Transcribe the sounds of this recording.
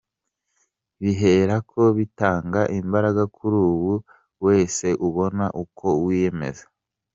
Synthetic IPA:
βiɦe̞ːɾakʰo̞βitaːŋɡaʔimbaɾaɡakʰuɾuːβu | we̞ːse̞ʔuβo̞naʔukʰo̞wije̞me̞̰zḁ

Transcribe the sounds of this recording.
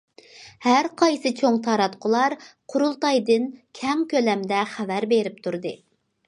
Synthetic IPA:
hæɾqʰɑjsɨt͡ʃʰoŋt̪ʰɑɾɑt̪qʰʊlˠɑɾqʰʊɾulˠt̪ɑjd̪ɨnkʲʰɛmkʲølɛmd̪ɛχævæɾbeɾɪp̚t̪ʰuɾd̪ɨ

